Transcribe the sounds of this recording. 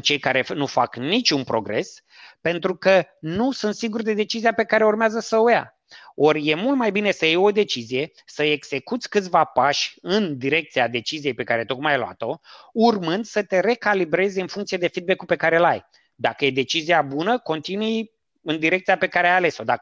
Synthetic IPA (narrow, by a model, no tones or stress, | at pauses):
t͡ʃe̞jkaɾe̞nufaknit͡ʃʲunpɾo̞̰ɡɾe̞̰s | pe̞nt̪ɾukənusunt̪siɡurd̪e̞d̪e̞t͡ʃizijape̞kaɾe̞urmeazəsəuja̰ | o̞rʲje̞mult̪majbine̞səjejo̞d̪e̞t͡ʃizije̞ | səe̞ɡz̥e̞kut̪sʲkɨt̪sʲvapaʃʲɨnd̪iɾe̞k̚t̪siad̪e̞t͡ʃizije̞jpe̞kaɾe̞t̪okmajloa̰t̪o̞urmɨnd̪sət̪e̞ɾe̞kalibɾe̞zʲɨnfuŋkt̪sijed̪e̞fid̪bekupe̞kaɾe̞laj | d̪akəje̞d̪e̞t͡ʃiziabunəko̞nt̪inuj | ɨnd̪iɾe̞k̚t̪sijape̞kaɾeajale̞so̞d̪a